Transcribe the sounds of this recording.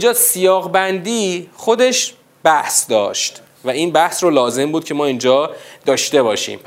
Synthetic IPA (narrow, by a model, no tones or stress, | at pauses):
ind͡ʒɒːsijɒːɣbænd̪iːxo̞d̪e̞ʃ | b̥æhsd̪ɒ̰ːʃt̪ | væiːnbæhsrolɒːze̞mbuːd̪̚cʰe̞mɒːind͡ʒɒːd̪̥ɒːʃt̪e̞bɒːʃḭːm